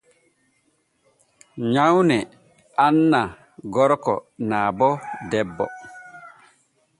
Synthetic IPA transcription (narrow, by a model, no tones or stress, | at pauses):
ɲawnɛ | anːa | ɡɔɾkɔ̰naːbɔdɛbːɔ̰